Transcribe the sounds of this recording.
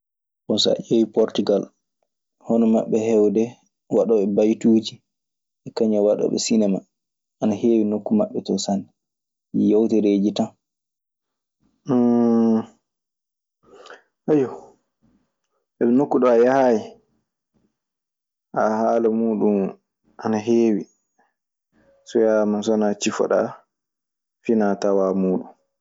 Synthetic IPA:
kɔnsɔa̰ʔewipɔɾtuɡal | hɔnɔma̰ɓːɛhɛwdɛ | waɗɔɓɛbajtuːd͡ʒi | ʔɛkaɲawaɗa̰ɓɛ̰sinɛma̰ | ʔanaheːwinokːumaɓːɛtɔsanɛ | jowtɛɾeːd͡ʒitan | ʔajɔ | ʔɛɓɛnokːuɗɔajahaːji | ʔahaːlamuːɗum | ʔanaɦeːwi | sɔjamansɔanat͡ʃifɔ̰ɗa̰ | finatawaːmuːɗun

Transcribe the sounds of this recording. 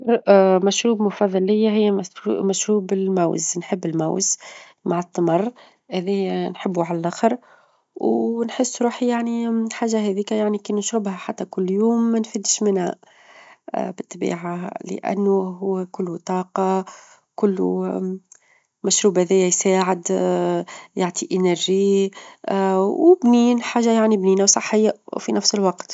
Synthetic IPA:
ɾmæʃɾuːbmʊfɑðˤːɑlːɪjːaɦɪjːæmmæʃɾuːbɪlmæwznħəbːɪlmæ̰wz | maʕɑt̪ˤːɑmɑrˤː | hæðɛjnħɪbːuʕalælʔæxəɾˤ | wnħəsːɾuːħijaʕniħaːʒːaɦɛðiːkæjaʕnikiːnʊʃɾʊbhæħat̪ːækʊlːjuːmːænfid̪ʃmɪnhæ̰ | bɪt̪ːbḭːʕalɪ̰ʔæ̰nːʊɦʊwːkʊlːt̪ˤɑːqɑ | kʊlː | mæʃɾuːbæðɛjæjsaːʕɪd̪ | jaʕt̪iʔɪnæɾʒi | wbniːnħaːʒːajaʕnibniːnæwsˤɑħːɪjːafinʔæfsəlwɑqt̪

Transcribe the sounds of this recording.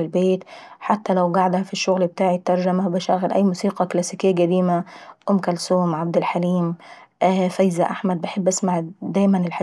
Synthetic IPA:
ɪlbeːt̪ħat̪ːalawɡaʕd̪hafiʃːʊɣlb̚t̪aːʕit̪ːɑɾˤʒamabɪʃaɣɪlʔæ̰jːmuːsiːqɑklasikɪjːɡæd̪iːmaʔʊmːkælsuːmʕab̚d̪ɪlħaliːm | ʔfajzaʔaħmad̪̚bɪħɪbːʔasmaʕd̪æːjmanɪlħ

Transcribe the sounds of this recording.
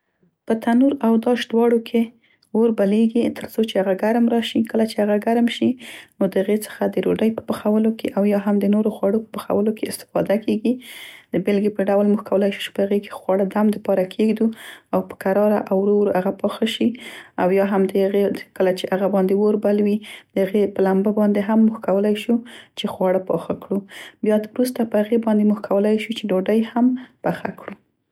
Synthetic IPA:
pət̪ʰanuɾawd̪ɑʃd̪wɑɽokʰe | woɾbaleɡit̪ʰəɾsot͡ʃeaɣaɡaɾmɾɑʃikəlat͡ʃeaɣaɡaɾmʃinod̪əhaɣet͡sə̥xad̪əɾo̰ɖəjpə̥pəxawəlokʰḛʔawjɑɦamd̪ənoɾoxwɑɽopə̥pəxa̰wəlokʰeɪst̪ɪ̥fɑ̰d̪akʰeɡid̪̥əbelɡepəɖawlmuxkʰawəlajʃu̥t͡ʃe̥pəhaɣeke̥xwɑɽad̪amd̪əpɑɾakʰeɡd̪uawpə̥kaɾɑɾa̰ʔawɾoɾaɣapɑxaʃiawjɑɦamd̪əɣekəlat͡ʃeʔaɣabɑnd̪ewoɾbalwid̪̥əhaɣepəlambəbɑnd̪eɦamːuxkawəlajʃut͡ʃexwɑɽapɑxakɽubjɑd̪wɾust̪apəhaɣebɑnd̪emuxkʰawəlajʃut͡ʃeɖoɖəjhamb̥axa̰kɽu

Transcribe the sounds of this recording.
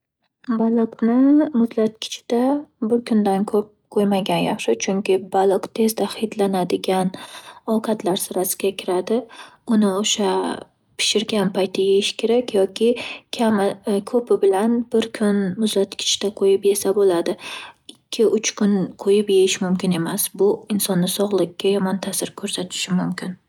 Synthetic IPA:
balˠɨqnɪmʊzlat̪̚kʲʰɪ̥t͡ʃʰɪ̥d̪abɪɾkʰʊnd̪ankʰɵp̚qʰojmaɡʲanjaχʃɪt͡ʃʰʊŋkʲʰɪbalˠɨqt̪ʰe̞zd̪ahɪjd̪lanad̪ɪɡʲanɒwqʰɑt̪ʰlaɾsɪɾasɪ̥ɡʲakʲʰɪɾad̪ɪʊnɪoʃa | pʰɪ̥ʃɪɾɡʲanpʰajt̪ʰɪjejɪʃkʲe̞ɾakʲjɒkʲʰɪkʲʰamɪkʰɵpɪbɪlanb̥ɪɾkʲʰʊnmʊzat̪kʲʰɪ̥t͡ʃt̪aqʰojɪpje̞sabolad̪ɪɪkʲʰːɪʊt͡ʃʰkʰʊnqʰojɪpjejɪʃmʊmkʲɪne̞masbʊɪnsɒnːɪsɒʁlˠɪkʲʰːajɒmɒnt̪ʰasɪɾkʰɵɾsat̪ʰɪ̥ʃɪmʊmkʲʰɪn

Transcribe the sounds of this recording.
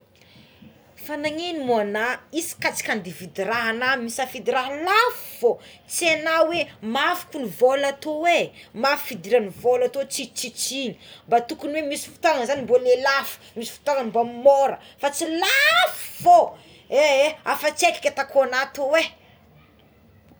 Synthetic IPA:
fanaŋenimuanaisi̥kat͡si̥kʲand̪ivid̪iraɦanamisafid̪iɾaɦlafiv̥ot͡sienawemafu̥kunivolat̪owemafu̥fid̪iɾanivolat̪ot͡sit͡ʃit͡sini̥mbat̪ukuniwemisi̥fu̥t̪aŋəzanibolelafu̥misi̥fu̥t̪aŋanbamoɾəfat͡silafivo | eeafət͡seki̥kʲat̪akoanat̪owe

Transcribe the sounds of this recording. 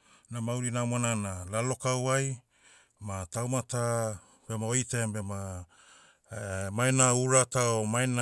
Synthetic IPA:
namawɾinamananalalo̞kawaj | matawmata | b̥e̞maojtebema | majnauɾataomajna

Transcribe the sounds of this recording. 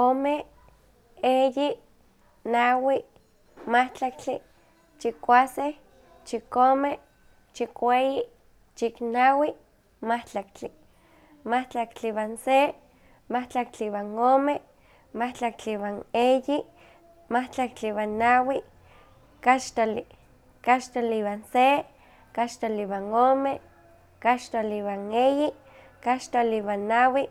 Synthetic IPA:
ome | eji | nawi | maht͡ɬak̚t͡ɬi | t͡ʃikʷaseh | t͡ʃikome | t͡ʃikʷei | t͡ʃiknawi | maht͡ɬak̚t͡ɬi | maht͡ɬakt͡ɬiwanse | maht͡ɬak̚t͡ɬiwaŋome | maht͡ɬak̚t͡ɬiwaneji | maht͡ɬakt͡ɬiwanːawi | kaʃt̪oli | kaʃt̪oliwanse | kat͡ʃt̪oliwaŋome | kat͡ʃt̪oliwaŋeji | kaʃt̪oliwanːawi

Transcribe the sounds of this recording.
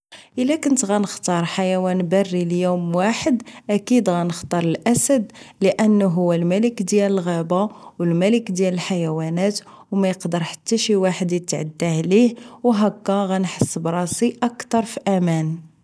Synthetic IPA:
ʔəlːækənt̪ɣænəxt̪ɑɾˤħajæwænbɑrːiljumwaħəd̪ʔækid̪ɣænəxt̪ˤɑɾˤəlʔæsæd̪ləʔənːuɦʊwːælmæləkd̪jæləlɣæbawəlmæləkd̪jæləlħajæwænæt̪ | wmæjəqd̪əɾˤħḁt̪ːæʃiwaħəd̪jət̪ʕad̪ːahlihwɦækːæɣænħəsːbɾˤɑsiʔɑkt̪ɑɾˤfiʔæmæn

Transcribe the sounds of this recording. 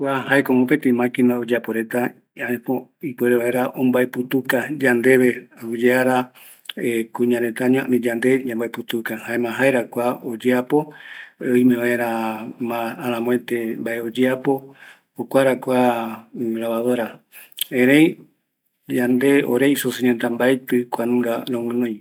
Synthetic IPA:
kʷahaekomopet̪emãkinaod͡ʒeapoɾe̞t̪a | aʔẽpoipeɾeβaeɾaʔõmbaeput̪ukad͡ʒand̪e̞βe̞aud͡ʒeaɾa | ekũɲãɾe̞t̪aɲõa̰ʔnĩd͡ʒand̪e̞d͡ʒãmbaeput̪ukahaẽmãɦaeɾakʷaod͡ʒeapo̞oimẽβaeɾamãːɾãmõet̪embaʔeod͡ʒeapo̞ | okʷaɾakʷa | ɾaβaðoɾa | ẽɾẽj | d͡ʒand̪e̞o̰ɾeisosiɲent̪ãmbaet̪ɨkʷanũŋɡaɾomɨ̃nõj̃

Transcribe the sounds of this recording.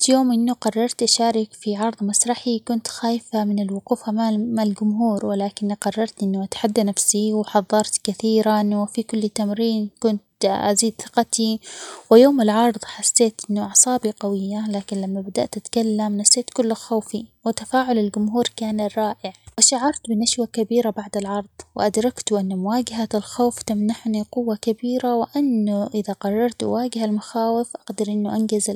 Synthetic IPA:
joːmʔɪnːʊqɑrˤːɑɾˤt̪ʔaʃaːɾɪkfiʕɑɾˤðˤmasɾˤɑħikʊnt̪xaːjfamɪnɪlwʊquːfamamalɡʊmɦuːɾwɪlaːkɪnːiqɑrˤːɑɾˤt̪ʔɪnːʊʔat̪ḁħad̪ːanafsiwħɑðˤːɑɾˤt̪kaθiːɾanwɪfikʊlːt̪amɾiːnkʊnt̪ʔaziːd̪θɪ̥qɑt̪iwɪjoːmɪlʕɑɾˤðˤħasːeːt̪ʔɪnːʊʕɑsˤɑːbiqɑwɪjːalaːkɪnlamːabad̪a̰ʔt̪ʔat̪kalːamnasːeːt̪kʊlːɪxoːfiwɪt̪afaːʕʊlɪlɡʊmɦuːɾkaːnrˤːɑːʔɪʕwɪʃaʕɑɾˤt̪bɪnaʃwakabiːɾabaʕd̪ɪlʕɑɾˤð̥ˤwɪ̰ʔad̪ɾˤɑkt̪ʔɪnːmʊwaːɡaɦaɪlxoːft̪amnaħniqʊwːakabiːɾawɪʔanːʊʔɪðaqɑrˤːɑɾˤt̪ʔwaːɡɪhalmʊxaːwɪfʔaɡd̪ɑɾʔɪnːʊʔanɡaz

